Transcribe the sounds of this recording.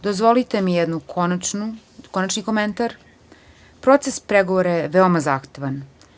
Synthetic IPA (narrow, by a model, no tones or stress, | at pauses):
d̪ozʋo̞lit̪emijed̪nukʰonat͡ʃnu | konat͡ʃniko̞ment̪aɾ | pɾo̞t̪sespɾeɡoʋoɾajeʋeo̞mazaxt̪e̞ʋan